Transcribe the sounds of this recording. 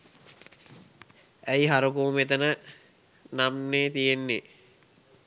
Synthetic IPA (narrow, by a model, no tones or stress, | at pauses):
æjiɦaɾukumet̪ənə | namneːt̪ijenːe